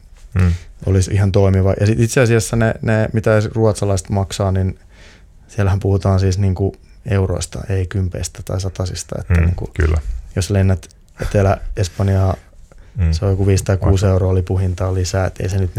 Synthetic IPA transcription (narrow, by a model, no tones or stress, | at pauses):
ʔo̰lisihɑnt̪oimiʋɑjʔɑsit̪it̪seɑsiɑsːɑnḛnemit̪æruɑt̪sɑlɑist̪mɑksɑːnin | siɛlæhæmpuhut̪ɑːnsiːsniːŋku | euro̰ist̪ɑ̰ʔeikympḛist̪æt̪ɑ̰isɑt̪ɑsist̪ɑ̰ḛt̪ːænḭːŋkṵklːæ̰joslenːæt̪ | et̪elæespɑnjɑː | sojokuʋiːst̪ɑikuːseuroɑːolipuhint̪ɑːlisæːḛt̪ːḛisenyt̪n